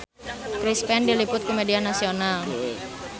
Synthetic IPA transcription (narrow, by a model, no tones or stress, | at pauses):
kɾispɛndilipʊt̪̚komedianasional